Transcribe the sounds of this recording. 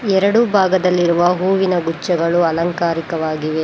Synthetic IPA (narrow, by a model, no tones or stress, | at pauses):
ɛɾɐɽubʱaːɡɐd̪ɐlːiɾuʋɐɦuːʋinɐɡut͡ʃːɐɡɐɭuɐlɐŋkaːɾikɐʋaːɡiʋe̞